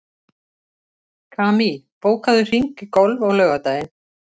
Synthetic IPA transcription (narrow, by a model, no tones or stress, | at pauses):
kʰaːmipoːwkaðʏr̥iŋkɪkowlvɔɣlœːɣat̪aːjɪn